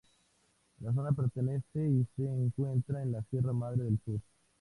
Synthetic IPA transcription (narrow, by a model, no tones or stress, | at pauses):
las̬o̞nape̞ɾt̪e̞ne̞se̞iseːŋkwe̞nt̪ɾaenlasje̞ramað̞ɾeðelsuɾ